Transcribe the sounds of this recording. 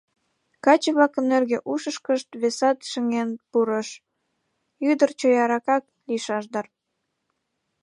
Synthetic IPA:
kɑt͡ɕəβlɑkənːerɣeʔuʃəʃkəʃt̪βesɑt̪ʃĕŋenpuɾəʃ | yd̪ərt͡ɕojɑɾɑkɑk̚ | liʃɑʃd̪ɑr

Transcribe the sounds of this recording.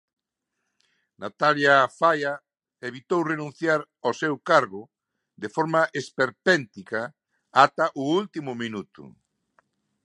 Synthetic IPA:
nat̪aljafaja | eβ̞it̪owrenũn̟θjaɾ | osewkaɾɣʊ | d̪efoɾmaʔespeɾpɛnt̪ika | at̪aʔʊult̪imʊminut̪ṵ

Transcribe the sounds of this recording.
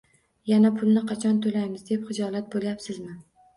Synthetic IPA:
janapʰʊlˠnɪqʰɑt͡ʃʰɒnt̪ʰolajmɪzd̪e̞pχɨd͡ʒɒlat̪̚boljapsɪzmɪ

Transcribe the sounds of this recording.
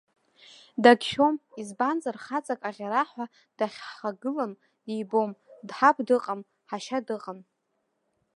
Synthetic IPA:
daɡʲʃᶣo̞mizband͡zarχat͡sʼakʼaʁʲaɾaħʷᶣa | d̥aχʲħχaɡɨlam | d̥ijbomdħapʰʼdɨqʼam | ħaʃadɨqʼam

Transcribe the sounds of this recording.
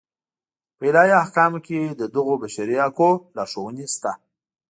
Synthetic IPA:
pəɪlɑjahkɑmked̪əd̪əɣobaʃaɾiakolɑʂowənest̪a

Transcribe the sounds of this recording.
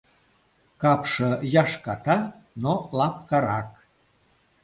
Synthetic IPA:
kɑpʃɤjɑʃkɑt̪ɑ | nolɑp̚kɑɾɑk

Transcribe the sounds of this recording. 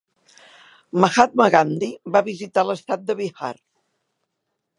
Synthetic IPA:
məxat̪̚məɣand̪iβaβizit̪aləst̪at̪̚d̪əβixa̰r

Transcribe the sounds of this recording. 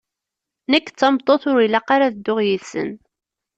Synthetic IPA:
nəkːt͡sːɑmt̪ˤːoθʊɾilːæqaɾaðəd̪ːʊʁjiθsə̰n

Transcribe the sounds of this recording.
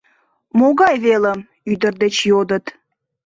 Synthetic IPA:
moɣɑjβeləm | yd̪ərd̪ət͡ɕjod̪ət̪

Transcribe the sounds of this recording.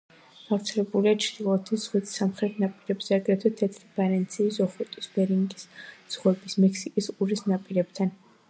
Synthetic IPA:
ɡ̥aft̪sʰɛlɛbuliat͡ʃʰd̪ilˠɔt̪ʰiz̥ʁwit̪samχɾɛt̪ʰnapʼiɾɛbz̥ɛaɡɾɛt̪ʰwɛt̪ʰɛt̪ʰɾib̥aɾɛnt̪sʰiːzɔχɛt̪ʼisbɛɾiŋɡisz̥ʁwɛbismɛkʰsikʼisuɾisnapʼiɾɛb̚t̪ʰan

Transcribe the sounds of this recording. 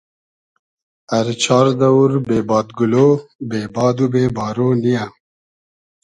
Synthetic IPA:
ɐɾt͡ɕʰɑːɾd̪ɐuɾbeːbɑːd̪ɡuloːbeːbɑːd̪ubeːbɑːɾoːnija

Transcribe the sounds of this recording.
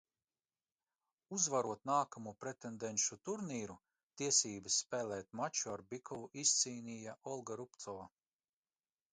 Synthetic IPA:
uzvaɾuɔt̪naːkamupɾet̪end̪enʃut̪uɾniːɾu | t̪iɛsiːbɨsːpɛːlɛːt̪̚mat͡ʃuaɾbikʰɔvuʔisːiːnʲijaʔɔlˠɡaɾupt̪sɔva

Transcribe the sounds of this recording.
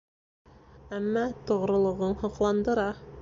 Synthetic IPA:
æmːɑt̪ŏʁɾŏlˠɤ̆ʁɤɴhɤ̆qlˠɑnd̪ɤ̆ɾɑ

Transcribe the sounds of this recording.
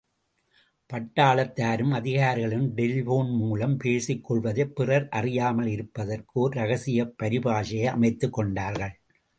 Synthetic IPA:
pɐʈːaːɭɐt̪ːaːɾɯmɐðɪɣaːɾɣɐɭɪmɖɪlboːnmuːuːlɐmpeːsɪkːɔɭʋɐðɐpːɪrɐɾʔɐrɪjaːmɐlɪɾɯpːɐðɐrkɯoɾɾɐɣɐsɪjɐpːɐɾɪbaːʂɐɐɐ̰mɐɪt̪ːɯkːɔɳɖaːɾɣɐɭ

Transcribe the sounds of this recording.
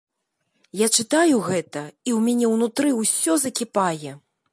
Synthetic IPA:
jat͡ʂɨt̪ajuɣɛt̪ɐiwmʲanʲɛwnut̪ɾɨwsʲɔzɐkʲipajɛ

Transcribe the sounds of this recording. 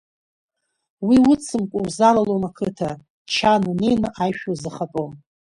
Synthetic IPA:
wiwʊt͡sʰɨmkʷʼʊwzalalomakʰɨtʰa | t͡ʃʰanunejnɨʔajʃᶣozɨχapʼom

